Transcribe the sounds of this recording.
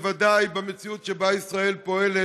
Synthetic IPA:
vadajbamet͡siutʃebaisʁaelpoɛle

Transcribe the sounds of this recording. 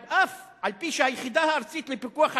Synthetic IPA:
ʔaf | alpiʃehajeχid̪ahaːɾt͡sit̪lepikuaχha

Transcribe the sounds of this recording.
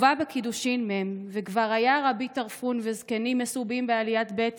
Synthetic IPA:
vabekid̪uʃimmemvekvaʁajaʁabit̪aʁfunvezkenimːesubimbealijat̪bet̪

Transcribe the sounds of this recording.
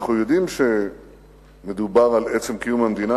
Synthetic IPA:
χnujo̞d̪imʃe̞ | me̞d̪ubaʁalet͡se̞mkijumhamd̪ina

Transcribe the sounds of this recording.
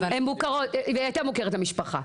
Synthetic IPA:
hemukaʁotveat̪amukeʁetamiʃpaχa̰

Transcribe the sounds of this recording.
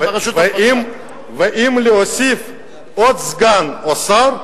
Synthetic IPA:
im | vɐʔimliɔsif | ɔsɡanɔsaɾ

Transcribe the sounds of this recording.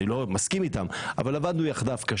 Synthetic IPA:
ilomaskimit̪ama̰valavad̪nujaχd̪afkaʃ

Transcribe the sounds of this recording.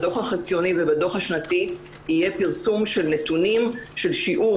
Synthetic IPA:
do̞χaχit͡sjo̞nivebado̞χhaʃnati | ijepiʁsumʃe̞lnet̪unimʃe̞lʃiʔu

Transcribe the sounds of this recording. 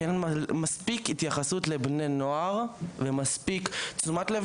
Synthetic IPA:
enmaspikit̪jaχasutlebnenoaʁvemaspikt͡sumatlev

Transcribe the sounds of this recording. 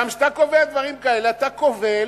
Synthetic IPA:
amʃat̪ako̞vead̪vaʁimkae̞leat̪akovel

